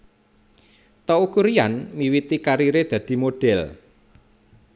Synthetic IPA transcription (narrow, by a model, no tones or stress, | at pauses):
t̪ɔukuɾijanmiwit̪ikaɾiɾed̪̥ä̤d̪̥i̤moɖ̥ɛl